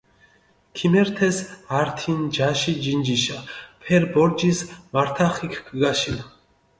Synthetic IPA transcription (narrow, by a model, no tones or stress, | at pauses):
kʰimɛɾt̪ʰɛsaɾt̪ʰind͡ʒaʃid͡ʒind͡ʒiʃapʰɛɾbɔɾd͡ʒismaɾt̪ʰaχikʰɡɡaʃin